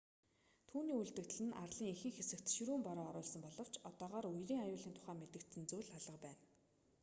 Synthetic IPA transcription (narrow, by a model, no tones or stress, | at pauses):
t̪ʰuːniːuɮt̪ɘ̆k̚t̪ɘ̆ɮɘ̆nʔarɮiːŋixɘ̆ŋxesɘ̆kt̪ʃiɾuːmpɔɾɔːɾʊːɮsɞ̆mpɔɮɞ̆w̥t͡ɕɔt̪ɔːʁaːɾujriːŋajʊːɮiːnt̪ʰʊ̥χæːmet̪ɘ̆kt̪sɘ̆nt͡sujɮaɮʁə̆qpæːn